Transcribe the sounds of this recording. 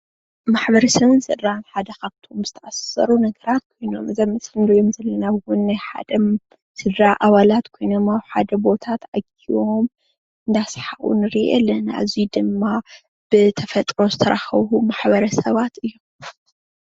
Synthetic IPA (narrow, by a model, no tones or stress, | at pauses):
maħbɐɾɐsɐβɨnsɨd̪ɾanħad̪ɐkaβt̪ʰomzɨt̪ʰɐʔassɐ̰ɾunɐɡɐɾat̪̚kʰo̞jno̞̰mʔɨzɐmːɨsɨnd̪ojomzɐlːɐnaβwʊnːajħa̰d̪ɐ | sɨd̪ɾaʔaβalat̪kʰo̞jno̞mawħa̰d̪ɐbo̞t̪ʰat̪ʔaɡio̞m | ɨnd̪asħaʔṵnɨɾiʔḛlːɐnaʔɨ̰zid̪ɨmːa | b̥ɨt̪ʰɐfɐt̪ʼɾo̞zɨt̪ʰɐɾʔaxɐβumaħbɐɾɐsɐβat̪ɨjːu